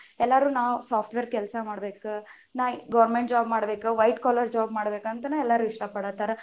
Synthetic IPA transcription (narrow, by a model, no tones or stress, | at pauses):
ɛlːaɾuːnaːʋusaːpʰʈʋeːɾkɛlsɐmaːɽbeːku | naːɡɐʋɾmeɳʈd͡ʒaːbmaːɽbeːkuʋɐjʈkaːlɐɾd͡ʒaːb̚maːɽbeːkɐnt̪ɐnɐɛlːaɾuːiʂʈɐpɐɽat̪ɐɾɐ